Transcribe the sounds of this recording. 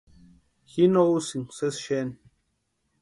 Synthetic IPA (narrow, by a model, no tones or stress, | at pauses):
hinousiŋsɛsʃɛn